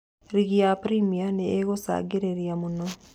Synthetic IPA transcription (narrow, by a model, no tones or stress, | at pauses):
ɾiɣiapɾimianeːɣosa̰ɡiɾeɾjamuno